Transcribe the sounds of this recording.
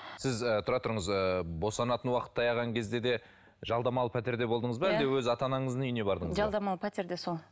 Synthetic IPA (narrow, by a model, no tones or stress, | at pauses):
sɪzət̪ʰʊɾɑt̪ʊɾəɴəzəbo̞sɑnɑt̪ənwɑqə̥t̪ʰːɑjɑʁɑŋkʲʰe̞zd̪e̞d̪e̞ | ʒɑlˠd̪ɑmɑlˠəpʰæt̪e̞ɾd̪e̞bo̞lˠd̪əɴəzbæld̪e̞wɵzɑt̪ɑnɑɴəzənʏjne̞bɑɾd̪əɴəzʒɑlˠd̪ɑmɑlˠpʰæt̪e̞ɾd̪esolˠ